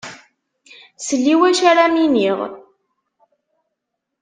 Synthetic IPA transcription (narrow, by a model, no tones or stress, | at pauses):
səlːiwæʃaɾaminiʁ